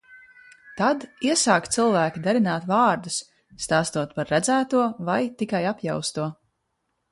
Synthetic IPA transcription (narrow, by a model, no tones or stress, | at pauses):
t̪ad̪iɛsaːkt̪silˠvæːkʲid̪aɾinaːt̪vɑːɾd̪usː | t̪aːst̪uɔt̪paɾːæd̪zæːt̪uɔvajt̪ikajapja̰wst̪uɔ